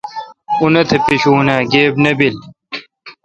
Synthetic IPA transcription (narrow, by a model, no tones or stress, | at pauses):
unɐt̪ʰepiɕuːnaːɡeːbnɐbil